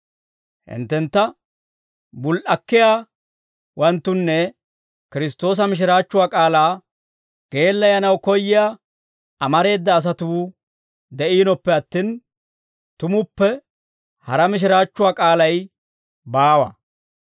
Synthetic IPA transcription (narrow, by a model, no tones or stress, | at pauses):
hɪ̰nt̪ːɛnt̪ːɐ | bʊlʔɐkːɪjaː | wɐnt̪ːʊnːɛ | kɪɾɪst̪o̞ːs̬ɐmɪʃ̬ɪɾaːt͡ʃːʊwaːkʼaːlaː | ɡ̥e̞ːlːɐjɐnɐwkɔjːɪja | ɐmɐɾe̞ːd̪ːɐːs̬ɐt̪uː | d̪ɛʔiːnɔpːɛɐt̪ːiːn | t̪ʊmʊpːɛ | hɐɾɐmɪʃ̬ɪɾaːt͡ʃːʊwaːkʼaːlɐj | baːwɐ̰